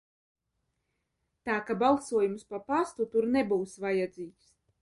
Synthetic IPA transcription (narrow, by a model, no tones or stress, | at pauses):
t̪aːkabalˠsuɔjumspapast̪ut̪uɾnebuːsvajad̪ziːks